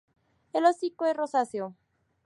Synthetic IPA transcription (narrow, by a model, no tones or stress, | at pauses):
elosikoerosasjo